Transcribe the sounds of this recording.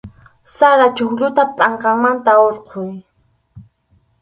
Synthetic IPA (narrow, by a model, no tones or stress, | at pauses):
saɾat͡ʃʊxʎʊt̪apʼaɴqɑŋmant̪aoɾqʰʊj